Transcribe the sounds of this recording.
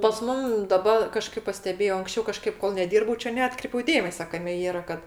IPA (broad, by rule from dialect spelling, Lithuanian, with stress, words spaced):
pɐs ˈmʊm dɐˈbɐ kɐˈʃkɐɪp pɐˈsʲtʲæːbʲeːjoː ɐŋksʲˈt͡ʃʲɛʊ kɐˈʃkɐɪp koːlˠ nʲɛˈdʲiːrbɐʊ ˈt͡ʃʲɛ nʲɛˈɑːtkrʲɛɪpʲɛʊ ˈdʲeːmʲɛsʲɛ ˈkɑːmʲɛ ˈiːrɐ ˈkɐt